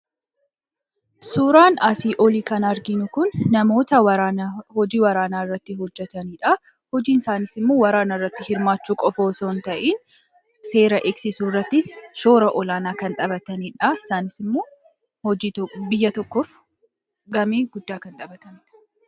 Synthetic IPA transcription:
suːɾaːnɐsiːʔɔliːkɐnɐɾɡɪnʊkʊnːɐmo̞ːt̪ɐwɐhɔd͡ʒiːwɐɾaːnaːɪrːɐt̪ːɪɦɔd͡ʒːɛt̪ɐniːᶑɐ | hɔd͡ʒiːnɪsaːnɪsɪmːoːwɐɾaːnarːɐt̪ːɪhɪɾmaːt͡ʃːuːkʼɔfoːsoːnt̪ɐʔiːn | se̞ːɾɐʔɛksɪsuːrːɐt̪ːɪsʃo̞ːɾɐʔɔlaːnaːkɐnt̪ʼɐbɐt̪ɐniːᶑɐɪsaːnɪsɪmːoː | hɔbɪjːɐt̪ɔkːɔf | ɡɐmeːɡʊd̪ːaːkɐnt̪ʼɐbɐt̪ɐniᶑɐ̥

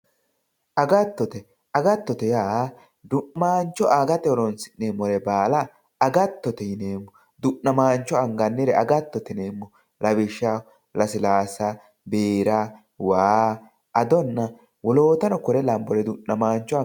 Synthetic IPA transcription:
ʔɐɡɐt̪ːɔt̪ɛ | ɐɡɐt̪ːɔt̪ɛjaː | d̪ʊʔmaːnt͡ʃːɔʔaːɡɐt̪ɛwɔɾɔnsɪ̥nneːmɔɾɛbaːlɐː | ɡɐt̪ːɔt̪ɛjɪneːmːɔ | d̪ʊʔːɐmaːnt͡ʃːɔɐŋɡɐnːɪɾɛʔɐɡɐt̪ːɔt̪ɛne̞ːmːɔ | lɐbɪʃːa | lɐsɪlaːsɐ | beːɾa | waː | ʔɐd̪ɔnːɐ | wɔloːt̪ɐnɔkɔɾɛlɐmbɔɾɛd̪ʊʔɐmaːnt͡ʃːɔ

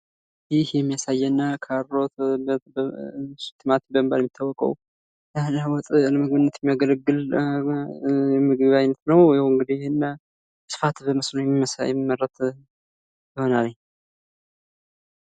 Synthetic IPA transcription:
jɪhjɛmːijasajːɛnːakʰaɾːot̪bəbsɨ̥t̪ʰemat̪bəmbaljɛmːjɪt̪ʰːawɔkʼə̰w | ləwɔt̪ʼləməɡβɨnːət̪jɛmːijaɡələɡːɨl | jɛmɨɡɨβajnət̪nəwjawɨŋɡɨd̪ijhenːa | sɨ̥fat̪bəməsnojɛmːimːəsjɛ̰mimːəɾːət̪ | jɪho̞nalɲ

